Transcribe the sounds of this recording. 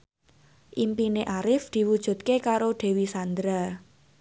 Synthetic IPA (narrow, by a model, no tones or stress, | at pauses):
ʔimpineʔaɾɪfd̪̥i̤wud̥ʒ̥ṳt̪̚kekaɾoɖ̪̥e̤wisand̪ɾa